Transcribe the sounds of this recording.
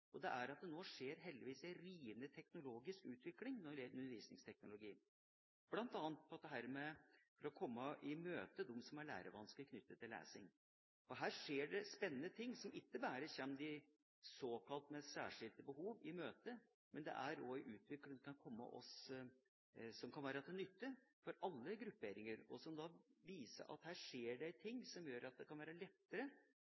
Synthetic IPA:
ʔɔd̪ɛʔæɾɑt̪̚d̪ɛnoːʂeːɾɦɛld̪ɪʋiːsæɾiːənət̪ʰɛknʊloːɡɪskʉːt̪ʋɪklɪŋnɔʉnəɾʋiːsnɪ̰ŋst̪ʰɛk̚nʊlʊɡiːn | b̥lɑnt̪ɑːnt̪̚pʰɔɑt̪d̪ɛɦæːɾmɛfɔɾɔkʰɔmːəʔɪmøːt̪əd̪ʊmːsɔmæɭæ̰ːɾəʋɑnsklɪkʰnʏt̪ːət̪ʰːɪlḛːsɪŋ | ɔɦæːɾʂeːɖɛspɛnːənət̪ʰɪŋːsɔmɪt̪ːəbæːɾəçɛnd̪ɪ | soːkʰɑlt̪mɛsæ̰ːʂɪlt̪əbəɦuːʋɪmøːt̪ə | mɛnd̪ɛ̰ʔæɾoɪʔʉːt̪ʰʋɪkləŋd̪ɛkʰɑnkʰɔmːə̰ʔɔ̰s | sɔmkʰɑnʋæːɾət̪ʰɛnʏt̪ːəfɔɾɑlːəɡɾʉpːeːɾɪŋəɾɔsɔmd̪ɑːʋiːsə̰ʔɑ̰t̪hæːʂeːɖɛɪt̪ʰɪŋːsɔmjøːɾɑt̪̚d̪ɛkʰɑnʋæːɾəlɛt̪ːəɾə

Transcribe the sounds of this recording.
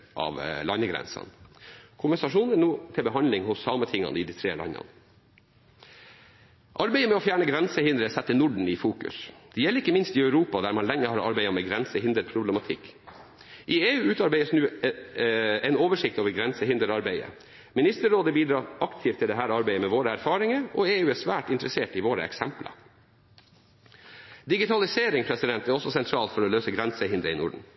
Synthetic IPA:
ʔɑ̰ʋlɑnːəɡɾɛ̰nsɑ̰nkʰʊmʋɛsɑʂuːnənuːt̪ʰɪlbəɦɑnlɪŋhʊsːɑːmət̪ʰɪŋːɑ̰nəɪd̪it̪ʰɾeːlɑ̰nːɑ̰nə | ʔɑɾbæɪəmɛɔfjæːɳəɡɾɛnsəhɪnd̪ɾəsɛt̪ːənʊɖɳ̩ɪfuːkʉ̰sd̪̥ɛjɛlːəɾɪkːəmɪnst̪ɪœʉɾuːpɑd̪æɾmɑnlɛŋːəhɑɾɑ̰ɾbæɪɑmɛɡɾɛnsəhɪnd̪əɾpʰɾʊblɛmɑt̪ʰɪkː | ʔɪeːʉːʉːt̪ɑɾbæɪəsnʉː | ɛɪnoːʋəʂɪk̚t̪oːʋəɾɡɾɛnsəhɪnd̪əɾɑɾbæɪə̰ | mɪnɪst̪əɾoːd̪əbiːd̪ɾɑːɾʔɑkt̪ʰiːft̪ʰːɪld̪ɛɦæːɾɑɾbæɪəmɛʋoːɾəæɾfɑːɾɪŋəɔeːʉːæːʂʋæːʈɪnt̪ɾəseːʈɪʋoːɾə̰ɛ̰ksɛmplə̰ | d̪ɪɡɪt̪ʰɑlɪseːɾɪŋpʰɾɛsɪd̪ɛnt̪æɾɔsːɔsɛnt̪ʰɾɑːlt̪fɔɾɔløːsəɡɾɛnsəɦɪnd̪ɾəɪnʊ̰ɖɳ̩

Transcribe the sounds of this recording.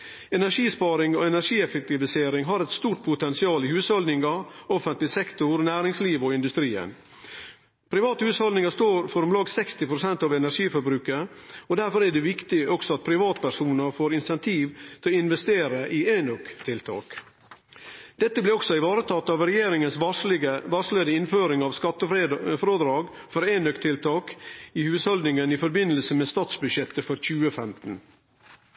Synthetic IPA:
ɛnæʂiːspɑːɾɪŋɔɛnæʂiːɛfɛk̚t̪ɪʋɪseːɾɪŋɦɑɾɛt̪st̪uːɾʈ̪̚pʰʊt̪ɛnsɪɑːlɪhʉːshɔld̪ɪŋɑɔfənt̪lɪsɛkt̪ʊɾnæːɾɪŋsliːʋɔɪnd̪ʉst̪ɾiːə̰n | pʰɾɪʋɑːt̪əhʉːshɔlɪŋɑst̪oːɾfɔɾɔmlɑːɡsɛkst̪ɪpʰɾʊsɛnt̪ɑʋɛnæɾʂiːfɔɾbɾʉːkəɔd̪æɾfɔɾæɖɛʋɪkt̪ɪɔksɔɑt̪̚pʰɾɪʋɑːt̪pʰæʂuːnəɾfoːɾɪnsɛnt̪ʰiːʋt̪ʰɪlɪnʋɛst̪eːɾəʔɪeːnœkt̪ʰɪlt̪ʰɑ̰ːk | d̪̥ɛt̪ːəblɛɔksɔɪʋɑːɾət̪ʰɑt̪ːɑʋɾɛjeːɾɪŋəns | ʋɑsleːd̪əɪnføːɾɪŋɑʋskɑt̪ːəfɾod̪ɾɑːɡ | fɔɾeːnœkt̪ʰɪlt̪ʰɑːkɪhʉːshɔld̪nɪŋənifɔɾbɪnːəlsəmɛːst̪ɑːt̪sbʉʃɛt̪ːəfɔɾc͡çʉːəfɛmt̪n̩

